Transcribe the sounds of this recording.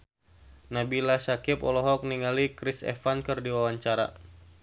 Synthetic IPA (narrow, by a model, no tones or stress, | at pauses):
nabilasakɪpɔlɔɦɔk̚niŋalikɾisɛ̰fankɨrdiwawaɲt͡ʃaɾa̰